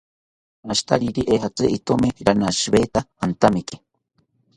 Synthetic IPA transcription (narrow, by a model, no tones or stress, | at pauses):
aʃt̪a̰ɾiɾiʔeɦat͡sɨʔit̪omiɾanaʃβet̪aant̪amiki̥